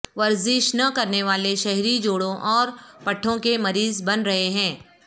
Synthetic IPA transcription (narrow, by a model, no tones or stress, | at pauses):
ʋɐɾzɪʃnɐkɐɾneʋaːleʃɛɦɾid͡ʒoːɽõʔɔːɾpɐʈʰːõkemɐɾiːzbɐnɾɐɦeɦɛ̃ː